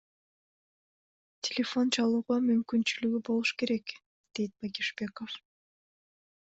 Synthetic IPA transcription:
tʲʰelʲefo̞nt͡ʃɑlˠuːʁɑmymkynt͡ʃylyɡybo̞lˠuʃke̞ɾe̞k | d̪̥e̞jt̪̚b̥akʲiʃbʲe̞kof

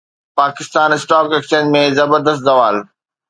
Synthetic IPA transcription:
paːkɪst̪aːnɪsʈaːkeːkt͡ɕẽːd͡ʑmẽzɐbəɾd̪əst̪zɐʋaːl

